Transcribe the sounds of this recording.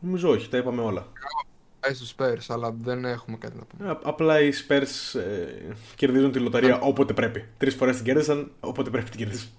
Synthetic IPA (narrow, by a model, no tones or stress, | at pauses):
no̞mizo̞oçi̥t̪ɐipɐmeo̞lɐɐɐ | est̪uspe̞ɾsɐlɐðe̞ne̞xumekɐt̪inɐpṵmɐplɐispe̞ɾsece̞ɾðizunt̪ilo̞t̪ɐɾiɐʔo̞po̞t̪e̞pɾe̞pit̪ɾisfoɾest̪iɟe̞ɾðisɐnopo̞t̪e̞pɾepit̪iɟeɾðisɐ̥